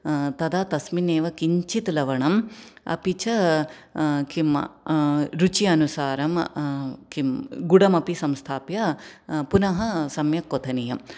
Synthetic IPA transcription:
t̪ɐd̪aːt̪ɐsmineːʋɐkiɲt͡ʃit̪lɐʋɐɳɐmɐ̰pit͡ʃɐ | kimɐ̰ɾut͡ʃiɐnusaːɾɐm | kimɡuɽɐmɐpisɐmst̪ʰaːpjɐpunɐɦɐsɐmjɐkːot̪ʰɐnijɐm

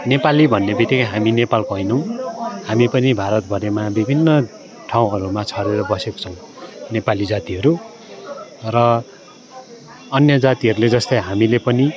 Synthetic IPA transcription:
nepalibʱʌnːebit̪ːikʌjɦaminepalkoɦʌjnʌw̃hamipʌnibʱaɾʌt̪̚bʱʌɾemabibʱinːʌ | ʈʰaw̃ʌɾumat͡sʰʌɾeɾʌbʌseko̥t͡sʰʌw̃ | nepalid͡zat̪iɦʌɾu | rʌ | ʌnjʌd͡zat̪iɦʌɾuled͡zʌst̪ʌjɦamilepʌni

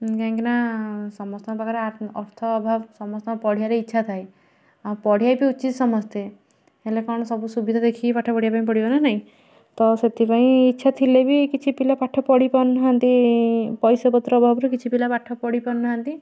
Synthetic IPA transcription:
kãŋkinasɔmɔst̪ɔbakaɾeaɾɔɾt̪ʰɔːbʱabsɔmɔst̪ɔpɔɽ̤ijaɾeitːʃʰat̪ʰaj | apɔɽ̤ijajpiut͡ʃit̪sɔmɔst̪ʰe | elekɔɽ̃ɔsɔbusubid̪ʱad̪ekʰipaʈʰːɔpɔɽ̤iapaĩpɔɽ̤ipɔnanaɦĩ | t̪ɔset̪ʰipaĩːtːʃʰat̪ʰilebikit͡ʃʰipilapaʈʰːɔpɔɽipɔnaɦant̪ipɔjsɔbɔt̪ɾɔːbʱabɾukit͡ʃʰipilapaʈʰɔpɔɽipɔnːaɦant̪i

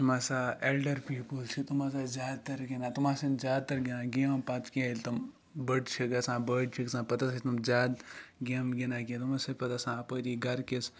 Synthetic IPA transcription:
masaelɖɐɾpiːpəlt͡ʃʰit̪umaːs̬azʲaːd̪t̪ɐɾɡinaːt̪umãːsenzʲjaːd̪̚t̪ɐɾɡinãːɡempãt̪kelʲt̪um | bəɖt͡ʃʰiɡɐsãːbəːɖt͡ʃʰiksãːpɐt̪asʰit̪umzʲaːd̪ɡemɡinãːk̬ẽt̪umãsepɐt̪asãːpəɾiɡɐɾkes

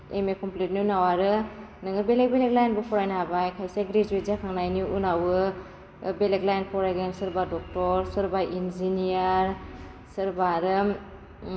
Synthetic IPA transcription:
emekʰɔmplet̚niunawaɾɯnɯŋɯbelek̚beleklajnbɯpʰɔɾajnaabajkʰajseɡɾed͡ʒuit̚zakʰaŋnajniunawɯ | beleklajnpʰɔɾajɡensɯɾbadɔk̚tɔɾsɯɾbaʔinziniaɾ | sɯɾbaɾɯ

